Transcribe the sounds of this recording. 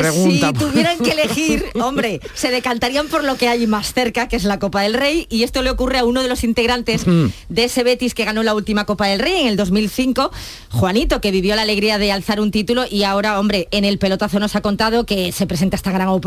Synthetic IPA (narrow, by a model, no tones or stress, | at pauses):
pɾeɣsuint̪auβje̞ɾaŋkeːle̞xiɾo̞mbɾe̞ | se̞ð̞e̞kant̪aɾiampo̞ɾlo̞ke̞ajmasθe̞ɾkake̞zlako̞paðe̞lre̞jie̞st̪o̞le̞okure̞auno̞ð̞e̞lo̞sint̪eɣɾant̪e̞zd̪eese̞βe̞t̪iske̞ɣ̞ano̞lault̪imako̞paðe̞lre̞je̞ŋe̞ld̪o̞zmilθiŋko̞ | xwanit̪o̞ke̞βiβjo̞lale̞ɣɾiað̞e̞alθaɾunt̪it̪ulo̞ʔiao̞ɾao̞mbɾe̞ːne̞lpe̞lo̞t̪oaθo̞nosako̞nt̪að̞o̞ke̞se̞pɾese̞nt̪aest̪aɣɾaŋop